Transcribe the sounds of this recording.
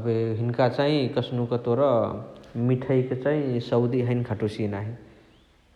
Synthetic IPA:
əbeɦinkat͡ʃaɦĩkəsnuket̪oɾʌ | miʈʰəjket͡ʃaɦĩsəwd̪iɦəɪnkʰəʈusinaɦĩ

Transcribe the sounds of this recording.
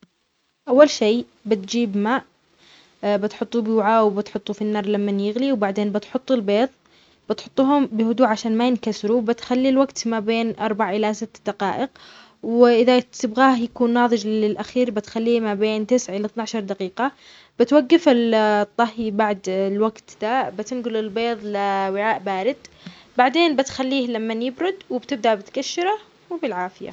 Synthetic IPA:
ʔawːalʃeː | bɪt̪̚d͡ʒiːbmaːʔ | bɪt̪ħʊt̪ˤːubwʕawbɪt̪ħʊt̪ˤːufinːɑːɾˤlamːanjɪɣliwbaʕd̪eːnbɪt̪ħʊt̪ˤːɪlbeːðˤ | b̥ɪt̪ħʊt̪ˤːuːhʊmbɪhʊd̪uːʕaʃaːnmajɪnkasɾubɪt̪xalːilwaɡt̪mabeːnʔɑɾˤbaʕʔɪlasɪt̪ːd̪aqɑːʔɪq | wɪʔɪðat̪ɪbɣaːhjakuːnːɑːðˤɨd͡ʒɪlʔaxiːɾbɪt̪xalːiːmabeːnt̪ɪsʕʔɪlat̪naʕaʃɑɾˤd̪aqiːqa | b̥ɪt̪waɡːɪfɪlt̪ˤːɑhibaʕd̪lwaɡt̪d̪abɪt̪ɪnɡʊlɪlbeːðˤlɪwɪʕaːʔbaːɾɪd̪̥ | baʕd̪eːnbɪt̪xalːiːhlamːanjɪbɾʊd̪wɪbt̪ɪb̚d̪aʔbɪt̪kaʃːɪɾˤa | wɪbɪlʕaːfɪja̰

